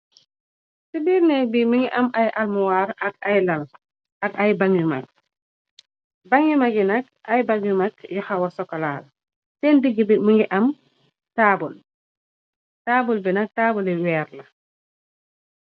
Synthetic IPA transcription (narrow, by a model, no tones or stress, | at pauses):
sibiɾnɛbimiŋɡiʔɐmajʔalmuwaːɾɐkajlɐl | ʔɐkajbaŋima̰k̚ | baŋimaɡinɐk̚ʔajbaŋumak̚juxawɐsɔkɔlaːl | sɛndiɡibimiŋiʔɐm | taːbul | taːbulbinɐk̚taːbuliwɛːɾlɐ